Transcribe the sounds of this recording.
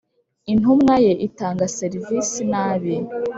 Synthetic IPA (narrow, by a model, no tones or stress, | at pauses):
in̥ɦumŋajeʔitaːŋɡaseɾivisinaːβe